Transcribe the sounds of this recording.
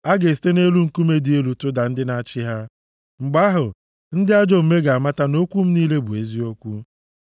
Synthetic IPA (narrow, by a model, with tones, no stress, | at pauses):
a˦ɡe˨s̬te˦ne˦lu˦ŋ̩˨ku˦me˦di˦e˦lu˨tʊ˦da˨n̩˦dɪ˦na˦t͡ʃɪ˦ɦa˦ | ŋ͡m̩˨ɡ͡ba˦ɦʊ˨ | n̩˦dɪ˦a˦d͡ʒo˦m̩˨me˦ɡa˨a˨ma˦ta˦no˦kʷu˦m̩˦niː˦le˦bʊ˨e˦zi˦o˦kʷu˦